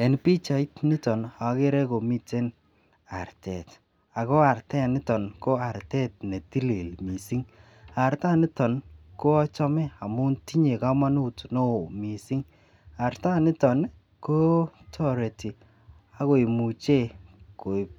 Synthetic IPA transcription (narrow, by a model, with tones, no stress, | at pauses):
ɛ˨npi˦t͡ʃa˨i˦tnɪ˦tɔ˨na˨˦ke˦ɾɛ˦ko˨mi˦te˦n | a̰˨ɾtɛ˨t | a˨ko˦a˨ɾtɛ˦˨nɪ˦tɔ˨nko˦a˨ɾtɛ˦t̚ne˨ti˦li˨lmi˨si˦ŋ | a˨ɾta˦nɪ˦tɔ˨nko˦ɔ˦t͡ʃɔ˦mɛ˦a˨mʊ˦nti˦ɲe˨ka˦ma˦nu˦tno˦˨mi˨si˦ŋ | a˨ɾta˦nɪ˦tɔ˨n | ko˦tʰɔ˦ɾe˨ti˨ | a˦ko˨i˨mu˨t͡ʃe˦˨ko˨i˨